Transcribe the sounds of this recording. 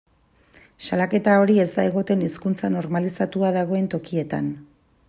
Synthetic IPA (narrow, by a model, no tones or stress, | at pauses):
salake̞t̪ao̞ɾie̞zd̪aeɣ̞o̞t̪e̞niskunt͡sano̞ɾmalisat̪uaðaɣ̞o̞e̞nt̪o̞kie̞t̪a̰n